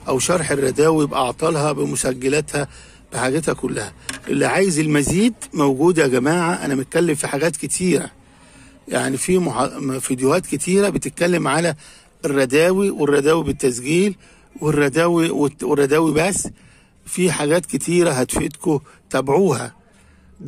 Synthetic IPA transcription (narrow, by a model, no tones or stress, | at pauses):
ʔæwʃɑɾˤħerˤːɑd̪æːwibʔɑʕt̪ˤɑlhɑbemosæɡːelæt̪hæ | b̥eħaːɡet̪hækʊlːæhæʔḛlːiʕaːjezelmæziːd̪mæwɡuːd̪æɡæmaːʕaʔæ̰næmet̪̚kælːemfiħaɡæːt̪ket̪ʰiːɾæ̰ | ja̰ʕnifimħfid̪johæːt̪ket̪ʰiːɾæbet̪et̪̚kælːemʕalæ | erˤːɑd̪æːwiwerˤːɑd̪æːwibet̪ːæsɡiːl | werˤːɑd̪æːwiwewerˤːɑd̪æːwibæsː | fiħaɡæːt̪ket̪ʰiːɾæɦæt̪fet̪ko | t̪æbʕuːhæ̰